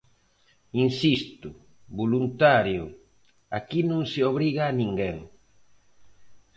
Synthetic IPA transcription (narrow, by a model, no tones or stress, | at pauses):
insist̪u | bulunt̪aɾju | akinuŋsioβɾiɣaːniŋɡɛŋ